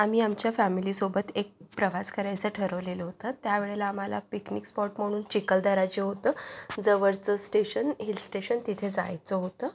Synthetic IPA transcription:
am̤iːamt͡ɕjafæmilisobət̪ek̚pɾəʋaskəɾajt͡səʈʰəɾəʋleləɦot̪ət̪jaʋeɭelaːm̤ala̰piknikspɔʈm̤əɽ̃uːnt͡ɕikəld̪əɾat͡ɕeɦot̪əːd͡zəʋəɾt͡səsʈeɕənɦilsʈeɕənt̪it̪ʰed͡za̰jt͡səɦot̪ə

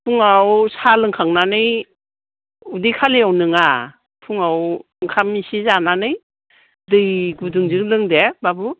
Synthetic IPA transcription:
pʰuŋawsalɯŋkʰaŋnanɯj | udɯjkʰaliawnɯŋa | pʰuŋawɯŋkʰamisizananɯj | dɯjɡudɯŋzɯŋlɯŋdebabu

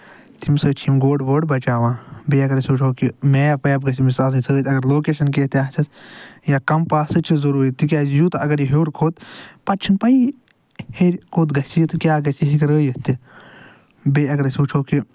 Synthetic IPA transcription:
t̪imsəːt͡ʃʰimɡoːɖʋəːɖbɐt͡ʃaːʋãːbeːɐɡɐɾsuːt͡ʃʰoːkimeːɐpɐjb̚ɡɐsimisaːlisəːt̪ʲɐɡɐɾloːkeːʃɐnkeːt̪iaːɦsɐsjaːkɐmpaːsɨt͡ʃʰizɐɾuːɾit̪ikʲaːjuːt̪ɐɐɡɐɾjiɦoːɾkʰoːt̪pɐt͡ʃʰinpɐi | heɾʲkoːt̪ɡɐsit̪ɨkjaːɡɐsiɦikɾəːjɐt̪i | beːɐɡɐɾsuːt͡ʃʰoːki

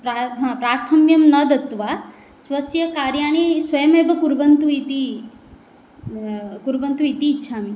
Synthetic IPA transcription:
pɾaɦpɾaːɾt̪ʰɐmjɐmnɐd̪ɐt̪ʋaː | sʋɐsjɐkaːɾjaːɳ̃esʋɐjɐmeːbʱɐkuɾbɐnt̪uit̪i | kuɾbɐnt̪uit̪iːtːʃʰaːmi

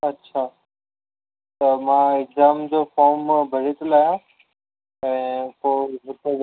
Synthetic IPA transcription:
ɐtːɕʰaː | t̪ɐmãːɪkzaːmd͡ʑoːfɔːɾmbʱɐɽ̤et̪olaːjã | ɛ̃ːpoːɦʊt̪e

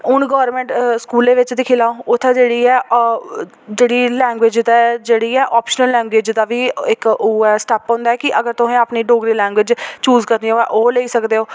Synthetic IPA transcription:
ʊnɡɔːɾmɛ̃ːɳʈskuːlẽːʋɪt͡ʃd̪ɪkʰɪːlaːõːʊt̪ʰːɛ̃ːd͡ʒeːɽiːɛː | d͡ʒeːɽiːlɛ̃ːŋɡwɪːd͡ʒd̪ad͡ʒeːɽiːɛːʔɔːpʃənəlːɛ̃ːŋɡwɪd͡ʒd̪aːʋiːɪkʊɛːsʈɛːpõːnd̪aɛːkɪʔəɡəɾt̪ʊɦẽːaːpniːɖoːɡɾiːlɛ̃ːŋɡwɪd͡ʒt͡ʃuːzkəɾd̪iːoːɛːʔoːleiːsəkd̪eːoː

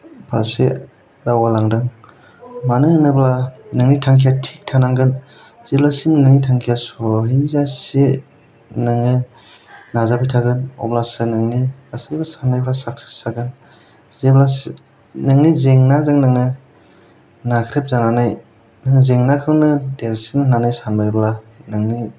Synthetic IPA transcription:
pʰasḛ | dawalaŋdɯŋ | manɯnɯblanɯŋnitʰaŋkʰijatʰik̚tʰanaŋɡɯn | z̥eblasinɯnɯŋnitʰaŋkʰijasoɦizase | nɯŋɯ | nazapʰijtʰaɡɯnɔ̰blasɯnɯŋnikasajbasanːajblasaksi̥saɡɯn | zeblas | naŋnizeŋnazaŋnaŋɯ | nakʰɾep̚zananaj | nɯŋɯzeŋnakʰɯwnɯdeɾsiŋnɯnanajsanbajbla | naŋni

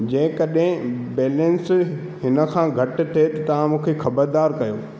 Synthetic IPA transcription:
d͡ʑɐ̃ɦɪ̃kɐɗɦɪ̃beːlə̃ns | ɦɪnə̆kʰãːɡʱɐʈ̆t̪ʰet̪ɐt̪ɐʋãmũːkʰexɐbəɾd̪aːɾkɐjoː

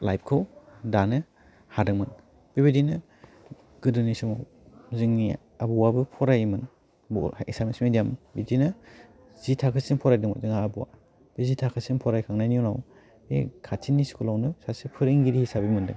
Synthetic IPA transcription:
lajp̚kʰɯwdanɯ | hadɯŋmɯn | b̥ibidinɯ | ɡ̥ɯdɯnisɔmaw | ziŋni | abuwabɯpʰɔɾajmɯn | bɔ̰ḛsamesmidijambidinɯ | z̥itʰakʰɯsiŋpʰɔɾajdɯŋazɯŋaabuwa̰ | b̥izitʰakʰɯsiŋpʰɔɾajkʰaŋnajniunaw | ḛkʰatʰiniskulawnɯsasipʰɯɾiŋɡiɾihisabimɯndɯ̰ŋ

